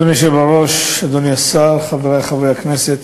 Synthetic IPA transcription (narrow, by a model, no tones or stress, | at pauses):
oniʃ̬ebaʁoʃad̪oniasalχaveʁajχavujakneset̪